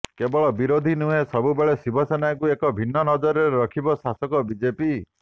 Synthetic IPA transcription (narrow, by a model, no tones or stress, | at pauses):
kebɔɭɔbiɾod̪ʱinuɦẽsɔbubeɭesibʱɔsɔnajkuekɔbʱinːɔnɔd͡ʒɔɾeɾeɾɔkʰibɔsasɔkɔbid͡ʒepi